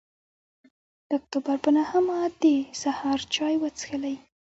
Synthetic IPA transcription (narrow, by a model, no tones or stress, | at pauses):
d̪̥əʊk̚t̪obaɾpənahəmad̪esahɑɾt͡ʃɑjwət͡sxəlaj